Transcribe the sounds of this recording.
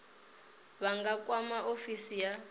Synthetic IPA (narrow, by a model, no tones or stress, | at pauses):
βaŋɡakʼwamaʔofisija